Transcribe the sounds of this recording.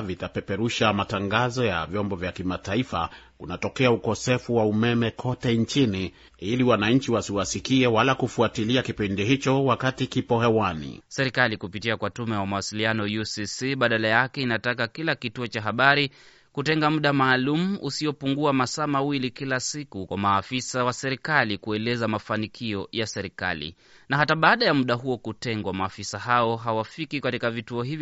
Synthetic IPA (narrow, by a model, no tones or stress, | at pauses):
vitapɛpɛɾuʃamataŋɡazɔja̰vjɔmbɔvjakimataifa̰ | unatɔkɛaukɔsɛfuwaumɛmɛkʰɔtɛɲt͡ʃini | iliwanaɲ̩t͡ʃiwasiwasikiɛwalakufuatiliakipindihit͡ʃɔwakatikipɔhɛwanḭsɛɾikalikupitiakwatumɛwamawasilianɔjusisiɓaɗalajakɛinatak̬akilakituɔt͡ʃaɦaɓaɾi | kutɛŋɡamuɗamaːlumuʔusiɔpuŋɡuamasaːmawilikilasikukwamaːfisawasɛɾikalikuɛlɛzamafanikʰiɔjasɛɾika̰lḭ | naɦataɓaːɗajamuɗaɦuɔkutɛŋɡwamaːfisaɦaɔɦawafikikatikavituɔhivj